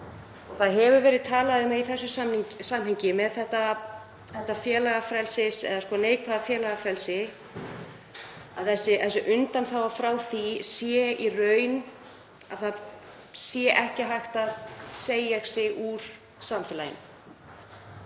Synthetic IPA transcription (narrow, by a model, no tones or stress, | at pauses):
ɔɣθaðɦɛvʏvɛːɾɪðt̪ʰaːlaðʏmːɛiθɛsːʏsamiɲsamɦɛɲcɪmɛðθɛht̪a | θɛht̪afjɛːlaɣafɾɛlsɪsɛ̰ðaskɔːneːjkʰvaðafjɛːlaɣafɾɛlsɪ | a̰ðθɛsːɪθɛsʏʔʏnt̪anθawvḁfɾaːwθisjɛirœːɥn | a̰ðθað | sjɛʔɛhcɪɦajxt̪aðseːjaɾsɪɣuɾ̥ | samfɛlajɪ̰n